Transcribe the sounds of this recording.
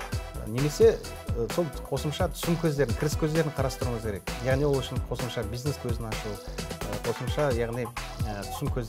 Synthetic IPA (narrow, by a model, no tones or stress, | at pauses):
ə̰neme̞se̞ | əso̞lˠqʰo̞səmʃɑt̪ʰʏ̥sɪmkʲʰɵzd̪e̞ɾɪŋkʲʰɪɾɪskʲʰɵzd̪e̞ɾɪɴqʰɑɾɑst̪əɾuɴəzkʲʰe̞ɾe̞kjɑʁnijwo̞lˠʏʃɪnqʰo̞səmʃɑbijzne̞skʲʰɵzɪnɑʃuəqʰo̞səmʃɑjɑʁnijət̪ʰʏ̥sɪmkʲʰɵzd̪